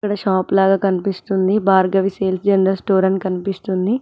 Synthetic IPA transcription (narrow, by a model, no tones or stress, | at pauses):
kɐɽɐʃaːplaːɡaːkɐnipist̪und̪ibaːɾɡɐʋiseːlsd͡ʒɐnɐɾɐlsʈoːɾɐɳʈkɐnipist̪und̪i